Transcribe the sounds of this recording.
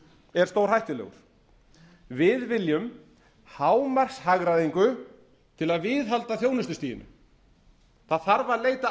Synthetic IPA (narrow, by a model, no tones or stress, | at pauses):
ɛɾ̥st̪oːwɾ̥ɦajht̪ɪlɛ̰ɣʏ̰ɾ̥ | vɪðvɪljʏm | haːwmar̥shaɣɾaðiŋkʏ | t̪ʰɪlaðvɪðɦalt̪aθjoːwnɪslʏst̪iːjɪ̰nʏ̰ | θaðθaɾvaðleːjt̪a